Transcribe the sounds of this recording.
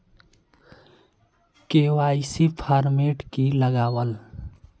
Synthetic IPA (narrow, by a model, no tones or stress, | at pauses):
kewajsipʰaɾmeʈkiləɡawəl